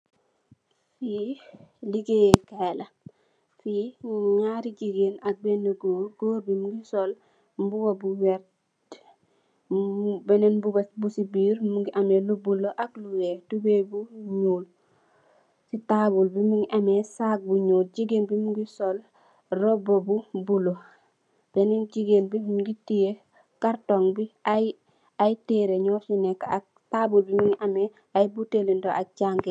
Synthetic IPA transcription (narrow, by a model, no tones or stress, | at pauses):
fi | liɡekela | fiɲaɾiɟiɡenak̚benəɡoːɾɡoːɾbimuɡisol | mbuwabuwɛɾ | d | bɛnenbubesbusibiːɾmuɡiʔamelubulːoʔakluɾetubebuɲul | sitabulbimiŋiʔamesaɡ̚buɲuːld͡ʒiɡelbimuŋɡisol | robobubulo | b̥enind͡ʒiɡelbimuŋɡitije | kaɾtoŋbiaj | ajteɾeɲɔsinɛkːak̚ | tabulbimiŋiʔame | ajbutelindoʔat͡ʃaŋɡe